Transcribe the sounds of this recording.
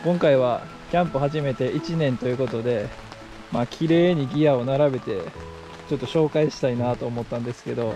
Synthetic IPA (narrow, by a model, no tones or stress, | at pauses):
kõ̞ŋkaiβ̞a | kʲãmpɨhaʑime̞t̪e̞ʔit͡ɕinẽ̞nt̪o̞jɯ̟ːko̞t̪o̞d̪e̞ | maːkʲʰiɾe̞ːɲ̟iɡʲiao̞naɾabe̞t̪e̞ | t͡ɕo̞t̪ːo̞ɕo̞ːkaiɕi̥t̪ainat̪o̞ːmo̞t̪ːãnd̪e̞sɨ̥ke̞d̪o̞